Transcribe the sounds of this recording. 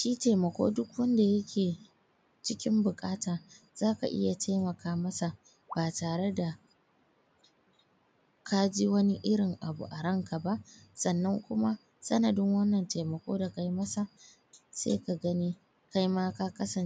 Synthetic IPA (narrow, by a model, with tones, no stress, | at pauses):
ʃiː˦teː˨mɐ˨kʷo̰ː˦dʊ˦kwɐ˦nda˨jɐ˦kʲeː˨ | t͡ʃɪ˦kʲɪ˦mbʊ˨kʼaː˦taː˨ | z̥aː˦ka˨ʔɪ̰˦ja˨tʰa˦jmɐ˨kaː˦mɐ˦sa˨ | baː˨taː˨ɽe˦da˨ | kʰa˦d͡ʒi˦wɐ˦ni˦ʔɪ˦ɽɪ˨ŋʔa˨bṵ˨ʔa˨ɽɐ˦ŋka˨ba˦ʔsɐ˨nːɐ˦ŋkʷʊ˦ma˦ | sɐ˦nɐ˨dɪ˦ŋwɐ˦nːɐ˨nteː˨mɐ˨kʷo̰ː˦da˨ka˨ji˦mɐ˦sa˨ | sḛː˦ka˨ɡɐ˦niː˦ | ka˦jmaː˦ka˦kɐ˦sɐ˨n